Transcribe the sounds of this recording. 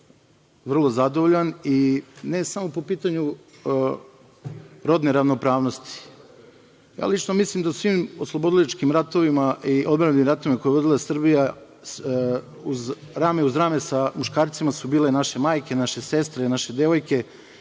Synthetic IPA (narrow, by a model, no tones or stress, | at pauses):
ʋr̩lˠo̞zad̪oʋoʎanine̞samo̞po̞piːt̪aɲu | ɾo̞d̪neɾaʋno̞pɾaːʋnost̪i̥ | ja̰ːlˠit͡ʃnomislˠimd̪ausʋiːmoslˠobo̞d̪ilit͡ʃkimɾat̪o̞ʋimaʔiʔod̪bɾanimɾat̪o̞ʋimako̞jeo̞d̪ilˠasr̩bija | uzɾaːmeuzɾaːmesamuʃkaːɾt̪simasubiːlenaʃe̞maːjke̞naʃe̞se̞st̪ɾenaʃe̞d̪e̞ʋo̞jke̞